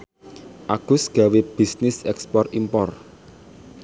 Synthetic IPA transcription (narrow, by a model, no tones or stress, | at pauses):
ʔaɡ̥ʊ̤sɡ̥a̤web̥isnɪsɛkspɔrimpɔr